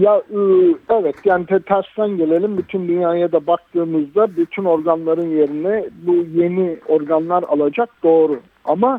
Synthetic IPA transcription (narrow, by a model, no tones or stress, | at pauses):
jaɯɛvɛt̪jaːnit̪ʰɛt̪ʰæɾst̪ænɟe̞lʲe̞lʲimbyt̪ʰynd̪ynjaːjad̪abak̚t̪ʰɯːmɯzd̪abyt̪ʰyno̞ɾɡanlˠaɾɯnje̞ɾinɛbuje̞nio̞ɾɡanlˠaɾa̰lˠad͡ʒak̚d̪̥o̞ːɾu | ama